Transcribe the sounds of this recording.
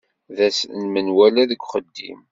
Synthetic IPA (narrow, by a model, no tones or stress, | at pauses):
ðæsnmənwælæðəɡʷχəd̪ːḭm